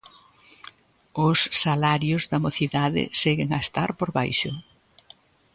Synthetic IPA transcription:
ʊsːalaɾjʊzðɐmoθiðaðɪ̰seɣɪŋaest̪aɾpoɾβajʃʊ

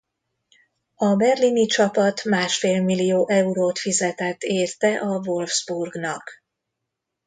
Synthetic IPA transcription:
ɒbɛrlinit͡ʃɒpɒt̪maːʃfeːlmilːijoːʔɛuɾoːt̪fizɛt̪ɛt̪eːrt̪ɛʔɒvo̞lvz̥burɡnɒk

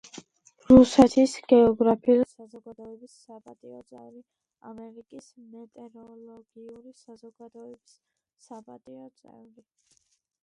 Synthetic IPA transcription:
ɾusɛt̪ʰisɡ̥ɛɔɡɾapʰiulsazɔɡad̪ɔɛbisːapʼat̪ʼiɔt̪sʼɛ̰vɾi | amɛɾikʼis | mɛt̪ʼɛɾɔlˠɔɡ̥iuɾisazɔɡad̪ɔɛbisː | apʼat̪ʼiɔt̪sʼɛ̰vɾi

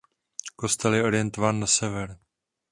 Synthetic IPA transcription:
ko̞st̪ɛljɛo̞ɾɪjɛnt̪ovaːnːasɛvɛɾ

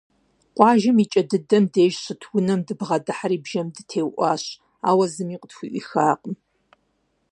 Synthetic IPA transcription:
qʷʼɑːʒɐmit͡ʃʼɐdɨdɐmdeːʒɕɨtʰwʊnɐmdɨbʁɐdɨħaɾiːbʒɐmdɨtʰeːwʔʷɑːɕ | a̰ːwɐzɨmiːqʼətxʷʊʔḭxaːqʼəm

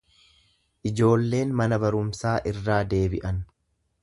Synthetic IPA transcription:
ʔɪd͡ʒo̞ːlːe̞ːnmɐnɐbɐɾʊmsaːʔɪrːaːd̪e̞ːbɪʔɐn

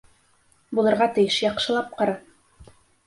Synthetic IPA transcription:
bulˠɤ̆ɾʁɑt̪ɘ̆jɘʃjɑqʃɤ̆lˠɑp̚qɑɾɑ

